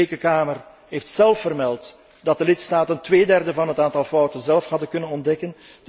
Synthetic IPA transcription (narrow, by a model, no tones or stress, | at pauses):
eːkəkaːmər | ɦeːftsɛlˠfːərmɛlˠt | d̥ɑt̚dəlɪtstaːtəntʋeːdɛrdəvɑnɦətaːntɑlˠfɔwtənzɛlˠfhɦɑdənkɵnənɔndɛkən | d